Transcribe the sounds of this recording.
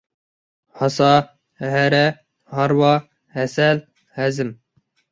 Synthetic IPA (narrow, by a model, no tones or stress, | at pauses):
hɑsɑ | ɦɛɾɛ | hɑɾwɑ | hɛsɛl | hɛzɨm